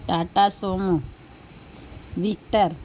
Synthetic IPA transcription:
ʈaʈasomu | ʋik̚ʈəɾ

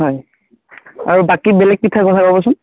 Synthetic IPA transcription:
ɦɔj | a̰ɹubakibɛlɛk̚pitʰakɔtʰapabɔsʊn

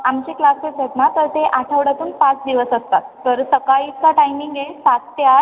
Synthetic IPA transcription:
amt͡ɕeklaskeʈet̪nat̪əɾt̪eʔaʈʰəʋɽat̪uːnpãt͡sd̪iʋəsəst̪at̪ːəɾsəkajikaʈajmiŋɡesat̪ːja

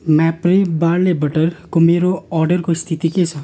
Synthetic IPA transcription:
mɛ̃ːpɾibaːɾlebəʈəɾkomeːɾoɔːɾɖəɾkoɪst̪ʰɪt̪ikesa

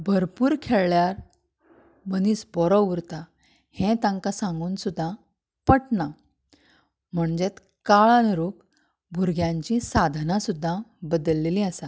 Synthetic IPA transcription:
bʱəɾpuːɾkʰeɭɭjaɾ | bəniːsbɔɾɔuɾt̪a | hẽt̪ãŋkasãŋɡuːnsud̪ʱːã | pəʈna | m̤əɳd͡ʑet̪ | kaɭãnɾuk | bʱuɾɡjãɲt͡ɕĩsad̪ʱnãsud̪ʱːãbəd̪əlːelĩəsa

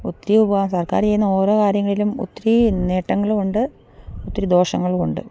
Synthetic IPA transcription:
ut̪ːɾiubɐʋasɐrkaːrt͡ɕejːunːɐo̞ːɾo̞ːkaːɾjɐŋːɐɭilumṵt̪ːɐɾineːʈːɐŋːɐɭkuɳɖɨ | ut̪ːɐɾid̪o̞ːʂɐŋːɐɭkoɳɖɨ̰

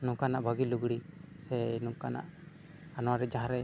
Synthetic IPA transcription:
nũkanaʔbʱəɡiluɡɽisɛnukana̰ʔ | anɔwaɾɛd͡ʒaɦãɾɛ

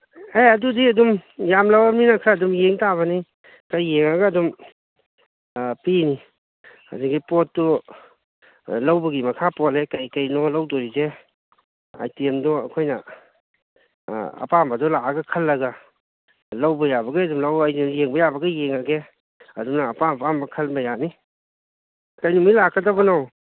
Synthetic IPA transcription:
ejɐdudiɐdumjamlawaminakʰɾaɐdumjeŋtaβɐni | kajːeŋaɡaːdum | pini | a̰duɡipɔt̚ːɔ | lawbɐɡimɐkʰapɔlekajkajnɔlawdɔɾize | a̰jtiemdɔɐ̰kʰojna | ɐ̰pambadɔlaɡakʰɐlːɐɡa | lawbɐjabɐɡaɐdumlawajnujeŋbɐjabɐɡɐjeŋaɡe | ɐdumnaːpampambɐkʰɐlbajani | kajnumijlakʰːadabɐnaw

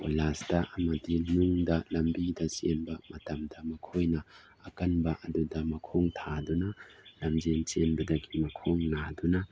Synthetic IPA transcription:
polasdɐʔɐmɐdinuŋdɐlɐmbidɐsenbɐmɐtɐmdɐmɐkʰojnɐ | ɐkɐnbɐʔɐdudɐmɐkʰoŋtʰadunalɐmd͡ʒent͡ʃenbɐdɐɡimɐkʰoŋnaduna

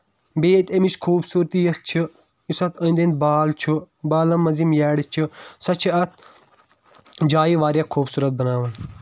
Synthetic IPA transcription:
beːt̪emiʃkʰuːbsuːɾt̪ijɐst͡ʃʰɨ | isɐt̪ʰɐnd̪ent̪̚baːlt͡ʃʰu | baːlɐmːɐzimjɛːɽit͡ʃʰusɐt͡ʃʰiɐt̪̚ʰ | d͡ʒaːiʋaːɾjaːkʰuːbsuːɾɐt̪̚bɐnaːʋɐn

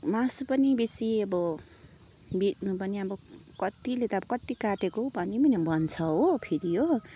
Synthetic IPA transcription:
mãspʌnibesiʌbʌ | bit̚nupʌniʌbʌ | kʌt̪ilet̪ʌʌbʌkʌt̪ikaʈekobʱʌnimʌnebʱʌnt͡sʰʌɦopʰiɾijo

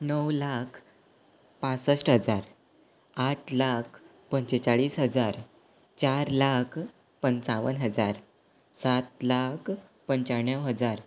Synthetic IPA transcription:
nəwlakʰ | pãt͡səʂʈɦəd͡zaɾ | aʈʰlakʰ | pəɲt͡ɕet͡ɕaɭiːsɦəd͡zaɾ | t͡ɕaɾlakʰ | pənt͡saʋənɦəd͡zaɾ | sat̪lakʰ | pəɲt͡ɕaɳjəwɦəd͡zaɾ

